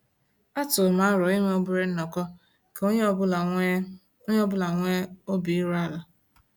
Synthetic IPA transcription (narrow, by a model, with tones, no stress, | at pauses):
a˦tʊ˨ma˨˦a˦ɾɔ˨i˦ŋʷe˦o˦bʊ˦ɾe˦n̩˦nɔ˨kɔ˦ | ko˦˨˦ | ɲ˦ɔ˦bʊ˦la˨ŋʷe˦o˦bi˨i˦ɾu˦a˦la˨